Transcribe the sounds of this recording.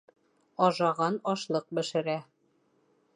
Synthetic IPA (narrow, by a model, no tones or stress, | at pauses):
ɒʒɑʁɑnɒʃlˠɤq̚bɘ̆ʃɘ̆ɾæ